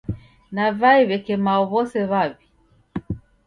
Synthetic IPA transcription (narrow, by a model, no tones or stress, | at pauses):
navaiβɛkɛmaɔβɔsɛβaβi